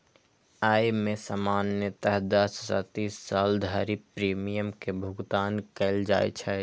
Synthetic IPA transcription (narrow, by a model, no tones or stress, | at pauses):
aːjmẽsamaːnjət̪əɦd̪əssə̰t̪iːsːaːld̪ʱaɾipɾiːmijəmkebʱʊɡt̪aːnkɛɪld͡ʒa̰ːj̰t͡ʃʰɛ